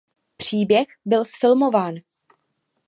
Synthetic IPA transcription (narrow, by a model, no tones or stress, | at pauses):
pr̝̥iːbjɛxbɪlsfɪlmo̞vaːn